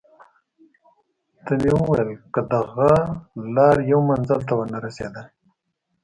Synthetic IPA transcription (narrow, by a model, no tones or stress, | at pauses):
t̪amewəwajəlkəd̪aɣalɑɾjawmanzəlt̪awənaɾasḛd̪a